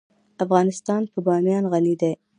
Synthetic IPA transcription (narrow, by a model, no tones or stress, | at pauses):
afɣɑnɪst̪ɑnpəbɑmjɑnɣanid̪aj